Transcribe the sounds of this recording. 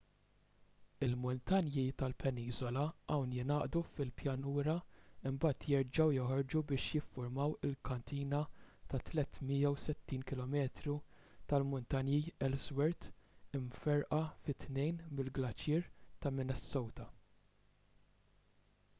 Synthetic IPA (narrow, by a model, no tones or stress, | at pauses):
ɪlmʊnt̪ɐnjit̪ɐlpɛniːzɔlɐʔɐwnjɪnɐːʔd̪ufɪlpjɐnuːɾɐɪmbɐːt̪jɛɾd͡ʒɐwjɔhɔɾd͡ʒubɪːʃjɪfːʊɾmɐwɪlkɐnt̪iːnɐt̪ɐt̪lɛt̪mijːɐwsɛt̪ːiːnkɪlɔmɛːt̪ɾu | t̪ɐlmʊnt̪ɐnjiɛlzwɛɾt̪ɪmfɛɾʔɐfɪt̪nɛjnmɪlɡlɐt͡ʃjɪːɾt̪ɐmɪnɛsːɔwt̪ɐ